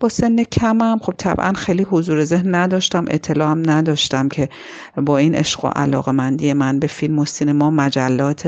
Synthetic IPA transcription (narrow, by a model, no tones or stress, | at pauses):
b̥ɒːse̞nːecʰæmæmχo̞b̥̚t̪ʰæ̰b̥ʔæ̰nxejliːɦozuːɾeze̞hnːæd̪ɒːʃt̪æmʔḛt̪ʰːe̞lɒːæmnæd̪ɒːʃt̪æmcʰe̞ | bɒːiːnʔḛʃɢo̰ʔæ̰lɒ̰ːɣemænd̪ije̞mænbe̞filmosinemɒːmæd͡ʒælːɒːt̪ʰ